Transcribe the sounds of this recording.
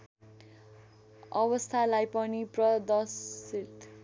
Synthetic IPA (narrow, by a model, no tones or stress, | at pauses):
ʌbʌst̪ʰalajpʌniprʌd̪ʌsit̪